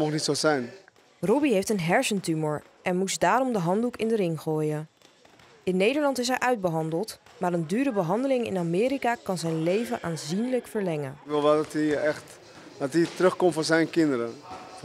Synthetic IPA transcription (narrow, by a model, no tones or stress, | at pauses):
mɔχnitsozɛjn | rɔbiɦejftənɦɛɹsəntymoɹ | ʔɛnmusdaːɾɔmdəɦɑndukɪndərɪŋχoːjən | ɪnːejdəɹlɑntɪs̬ɦɛjʔœɥd̚bəɦɑndəlˠtmaːɾəndyːɾəbəɦɑndəlɪŋɪ̰namɪːɾikaːkɑnzɛjnlejvənʔaːnzinləkfəɹlɛŋənkʋɪlˠʋɛlˠdtiɛxt | dɑtitrøxkɔmtfoːɹzɛjnkɪndəɾə